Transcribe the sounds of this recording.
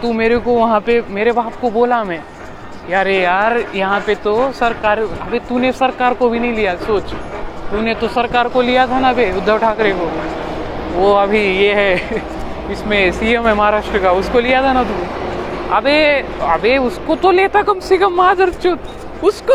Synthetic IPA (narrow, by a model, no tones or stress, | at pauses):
t̪ũmeːɾekoʋɐɦãpemeːɾebaːp̚koboːlamɛ̃ː | kaːɾejaːɾjɐɦãpet̪osɐɾkaːɾɐbet̪unesɐɾkaːɾkobʱinɐɦĩlijasoːt͡ʃt̪unet̪osɐɾkaːɾkolijat̪ʰanaɐbeʊd̪ʱːəʋʈʰaːkɾeko | ʋoɐbʱijeɦɛ | ɪsmẽsiːjəmɦɛmɐɦaːɾaːʃʈɾəkaʊskolijat̪ʰanat̪ũ | ɐbeɐbeʊskot̪oleːt̪akɐmsɪɡəmːaːd̪ɐɾt͡ʃʰut̪ | ʊsko